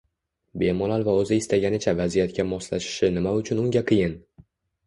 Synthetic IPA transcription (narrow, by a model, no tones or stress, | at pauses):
be̞mɒlalˠvaɵzɪɪst̪aɡʲanɪt͡ʃʰavazijat̪̚kʲamɒslaʃɪ̥ʃɪnɪmaʊt͡ʃʰʊnʊŋɡʲaqʰɨjɪn